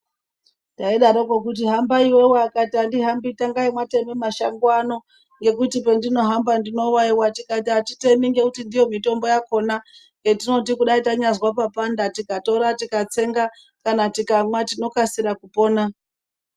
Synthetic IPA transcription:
ndaiɗaɾokwekut̬iɦambaiwewakatandiɦambitaŋɡaimwate̞mimaʃaŋɡwano̞ | ŋɡe̞kutipe̞ndino̞ɦambandino̞waiwatikatatite̞miŋɡe̞kutindijo̞mito̞mbo̞jako̞na | ŋɡetino̞t̬ikuɗaitaɲazwap̬apandatikato̞ɾatikat͡se̞ŋɡa | kanatikamwatino̞kasiɾakupo̞ːna

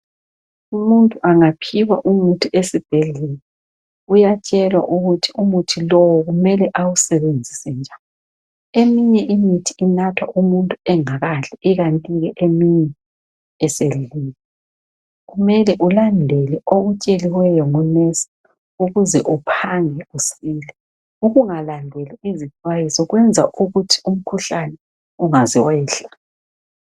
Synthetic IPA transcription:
umuntʼuʔaŋapʰiwa̰ʔumutʰuesib̥ʱeɮɛlɛ | ujat͡ʃʼɛlwa̰ʔuɣutʰiumutʰilɔwɔɣumɛlɛʔawusɛβend͡zʱisɛnd͡ʒʱaw | emiɲɛʔimitʰiinatʰwa̰ʔumuntʼuɛŋaɣaɬɛiɣantʼiɣɛʔemiɲɛː | selililɛ | ɣumɛlɛʔulandʱɛlɛoɣut͡ʃʼeliwɛjɔŋɔnɛsḁ | uɣuzɛʔupʰaŋɛusilɛ | uɣuŋalandʱɛlɛizit͡ʃʼwajisɔɣwɛnd͡zʱaʔuɣutʰi̥um̩kʰuɬanɛ | uŋazɛwɛːɬa

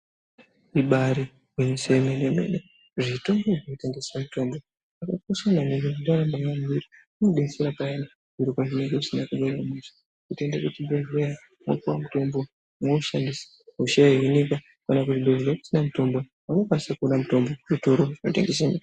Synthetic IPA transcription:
iɓaɾi | wenisemenemḛne | ʐito̞mboʐinote̞ŋɡe̞samuto̞mbo | ʐakatikosananirindaɾambaamiɾi | unoɗeniseɾapaena | uɾikaʐine̞ŋɡeisinakuɓaɾamesi̥ | kutendakutibeveja | mo̰kuwamuto̞mbo̞ | mouʃandisi̥ | uʃeainika | kanakutiɗoʐiɾaku̥sinamuto̞mbo | wanokwanisakuonamuto̞mbokuritoɾoʐino̞teŋɡesenia

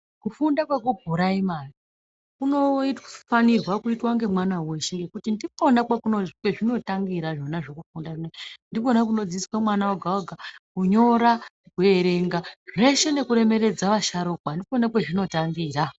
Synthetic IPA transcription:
kufundakwakubʱuɾaimari | kuno̞itfanirwakuitwaŋɡe̞mwanawe̞ʃeŋɡe̞kutindiponakakunokwe̞ʐino̞taŋɡiɾaʐo̞naʐokufundaʐinendiponak̬uno̞d͡ziswamwanawaɡʱawaɡʱakuɲo̞ɾa | kue̞ɾe̞ŋɡaʐe̞ʃe̞ne̞kuɾe̞me̞ɾe̞d͡zaʋaʃaɾoːkwandiponakweʐino̞taŋɡiːra

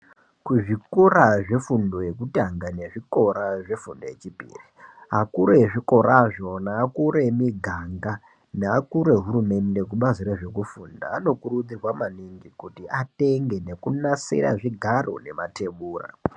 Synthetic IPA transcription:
kuʐikoraʐe̞fundo̞je̞kutaŋɡaneʐiko̞ɾaʐe̞fundo̞je̞t͡ʃipḭːriɦakuɾeʐiko̞ɾaʐo̞naːkuɾemiɡʱaŋɡa | naakuɾe̞ɦuɾume̞nde̞k̬uɓaziɾe̞ʐe̞kufunda̰ːno̞kurud͡zirwamaniŋɡikutiate̞ŋɡe̞ne̞kunasḭɾa̰ʐiɡʱaro̰ne̞mate̞ɓuːra̰

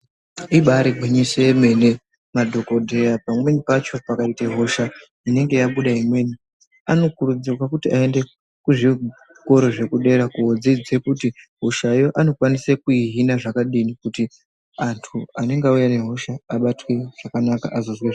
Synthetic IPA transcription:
iɓaɾiɡʱiɲisoeme̞ne̞ | madʱoko̞dʱe̞japamwe̞nipat͡ʃo̞pakaiteɦo̞ʃa | ine̞ŋɡe̞jaɓuɗaimwe̞ːni | ano̞kuɾud͡zirwakutiae̞nde̞ | kuʐi | ko̞ɾo̞ʐe̞kuɗe̞ɾakuɦod͡zid͡zekutiɦoʃaijo̞ʔano̞kwanisekuiɦinaʐakaɗinikuti | antʰuane̞ŋɡaujane̞ɦo̞ʃaːɓatwe̞ʐ̥akanaka̰ʔazozweʐ

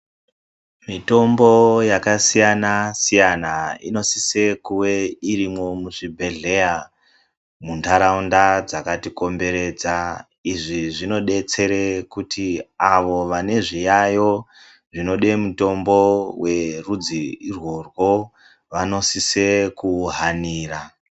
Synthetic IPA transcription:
mito̞mbo̞jakasijanasijanaḭno̞sise̞kuweirimo̞muʐibʱe̞ɮe̞ja | muntʰaɾaundad͡zakatiko̞mbe̞ɾe̞d͡za | iʐiʐino̞ɗe̞t͡se̞ɾe̞kutiaʋo̞ʋane̞ʐijajo̞ | ʐino̞ɗe̞muto̞mbo̞we̞rud͡zirwo̞rwo̞ | ʋano̞sisekuɦaniːra

